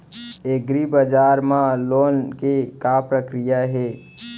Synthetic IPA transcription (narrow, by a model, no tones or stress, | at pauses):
eɡɾibəd͡ʒaːɾmãloːnkekapɾəkɾijaɦe